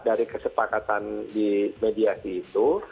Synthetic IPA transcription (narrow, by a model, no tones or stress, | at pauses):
daɾikəsəpakat̪andimediasiːt̪u